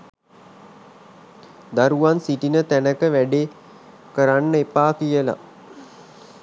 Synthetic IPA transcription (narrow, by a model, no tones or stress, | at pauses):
d̪aɾuʋansiʈinət̪ænəkəʋæɖeː | kəɾanːəepaːkijəla̰